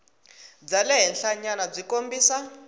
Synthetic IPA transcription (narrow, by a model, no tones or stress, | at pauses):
d͡zalɛɦɛnɬaɲanab͡ʐikombiːsa